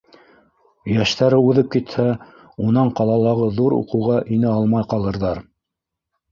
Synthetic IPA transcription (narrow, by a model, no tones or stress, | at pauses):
jæʃt̪æɾɘʉðɘp̚kit̪hæ | unɑɴqɑlˠɑlˠɑʁɤðuɾṵqɤ̆wʁɑʔinɘɑlˠmɑjqɑlˠɤ̆ɾðɑɾ